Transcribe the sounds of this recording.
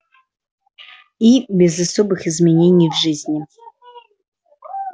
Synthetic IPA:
ibʲezɐsobɨxizmʲenʲenʲijvʐɨzʲnʲɪ

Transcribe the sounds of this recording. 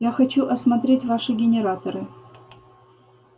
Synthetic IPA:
jaxɐt͡ɕuʔɐsmɐt̪ɾʲetʲvaʂɨɡʲɪnʲeɾat̪oɾɨ

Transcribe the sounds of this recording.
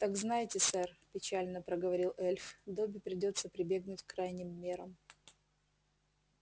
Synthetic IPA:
t̪aɡznajɪtʲɪsɛrpʲɪt͡ɕalʲnəpɾəɡəvɐɾʲilˠʔɛlʲfd̪obʲɪpɾʲɪdʲo̞t̪səpɾʲɪbʲe̞ɡnʊtʲkɾajnʲɪmːʲe̞ɾəm

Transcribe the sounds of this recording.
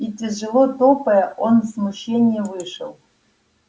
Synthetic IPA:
itʲɪʐɨlˠot̪opɐjɐʔonzmuɕːenʲɪjɛvɨʂɨ̰lˠ

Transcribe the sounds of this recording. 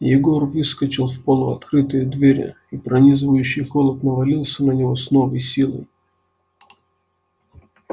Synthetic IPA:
jɪɡo̞rvɨskət͡ɕɪlˠfpolˠʊɐt̪kɾɨt̪ɨjəd̪vʲeɾʲɪ̰ | ipɾɐnʲizɨvəjʉɕːɪjxolˠət̪nəvɐlʲilˠsʲənənʲɪvo̞sno̞vəjsʲilˠə̰j

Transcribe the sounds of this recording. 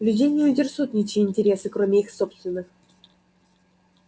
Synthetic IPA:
vlʲydʲenʲɪjudʲɪrsut̪ʲnʲit͡ɕiːnʲtʲeɾʲesɨkromʲeixsopst̪vʲɪnːə̆x

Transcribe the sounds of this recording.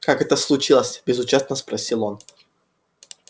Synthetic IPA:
kakɛt̪əslˠʊt͡ɕilˠəsʲbʲɪzʊt͡ɕast̪nəspɾɐsʲilˠo̞n

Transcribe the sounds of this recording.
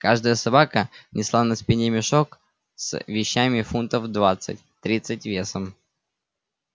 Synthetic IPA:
kaʐd̪əjəsɐbakənʲɪslˠanɐspʲɪnʲemʲɪʂok | svʲɪɕːamʲɪfunt̪əfd̪vat̪sɨ̰t̚ʲt̪ɾʲit̪sɨtʲvʲe̞səm

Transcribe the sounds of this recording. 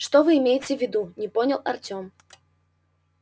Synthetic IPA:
ʂt̪ɔvɨːmʲejɪt͡sʲɪɛvʲɪd̪unʲɛpɔnʲɐlˠa̰rt͡sʲɔm

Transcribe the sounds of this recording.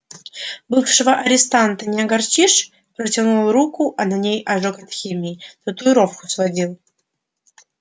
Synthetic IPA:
bɨfʂɨvəʔɐɾʲɪst̪ant̪ənʲɪɐɡɐrt͡ɕiʂ | pɾətʲanulˠɾukʊʔɐnɐnʲejɐʐokɐt̪xʲimʲiːt̪ɐt̪uɪɾofkʊ̥svɐdʲilˠ

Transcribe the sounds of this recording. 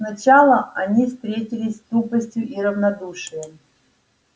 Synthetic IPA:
snɐt͡ɕalˠəɐnʲifst̪ɾʲetʲɪlʲɪsʲst̪upəsʲtʲjʊʔiɾəvnɐd̪uʂɨjəm

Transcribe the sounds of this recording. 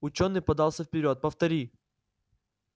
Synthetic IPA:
ʊt͡ɕonːɨjpɐd̪alˠsʲəfpʲɪɾʲo̞t̪̚pəft̪ɐɾʲi

